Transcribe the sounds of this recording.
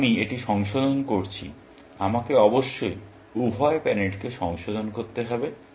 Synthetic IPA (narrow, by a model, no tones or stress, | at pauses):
mieʈiʃɔŋʃod̪onkoɾt͡ɕʰḭ | amakeɔboʃːoj | ubʱɔepɛneʈkeʃɔŋʃod̪onkoɾt̪ːeɦɔbe